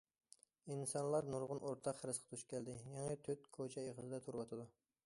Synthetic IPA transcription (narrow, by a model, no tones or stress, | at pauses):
insɑnlˠɑɾnuɾʁʊnʔoɾt̪ʰɑqhɾɨsqʰɑ̥t̪ʰuʃkʲɛld̪ɪjɑŋit̪ʰøt̪̚kʰot͡ʃʰɛeʁəzɨd̪ɛt̪ʰuɾwɑt̪ʰɨd̪u